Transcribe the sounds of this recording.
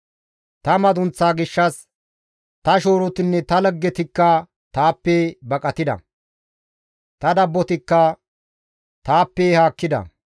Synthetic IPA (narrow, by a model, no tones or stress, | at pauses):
t̪ɐmɐd̪ʊnt͡sːaːɡɪʃːɐs | t̪ɐʃoːɾɔt̪ɪnːɛt̪ɐlɐɡːɛt̪ɪkːɐ | t̪aːpːɛbɐkʼɐt̪ɪd̪ɐ̰ | t̪ɐd̪ɐbːɔt̪ɪkːɐ | t̪aːpːɛhaːkːɪd̪ɐ̰